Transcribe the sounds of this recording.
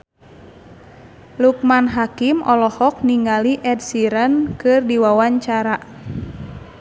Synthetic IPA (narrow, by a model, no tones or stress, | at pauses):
luk̚manɦakimʔɔlɔhɔk̚niŋɡaliʔɛdsiɾənkɨrdiwawaɲt͡ʃaɾa